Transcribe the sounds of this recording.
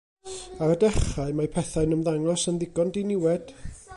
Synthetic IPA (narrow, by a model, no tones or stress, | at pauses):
aɾədɛχaɨmapʰɛθaɨnəmðaŋɔsənðɪɡɔndinɪwɛd̥